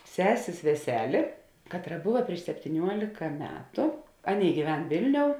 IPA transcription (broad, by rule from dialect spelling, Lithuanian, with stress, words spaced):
ˈsʲæːsʲeːs ʋʲɛˈsʲæːlʲeː ˈkɑːtˌrɐ ˈbʊʋɐ pʲrʲiɛʃ sʲɛpʲtʲiːˈnʲuɔlʲɪkɐ ˈmʲæːtʊ ˈɑːˌnʲeːɪ ɡʲiːˈʋʲɛn ˈʋʲeːlʲˌnʲoːʊ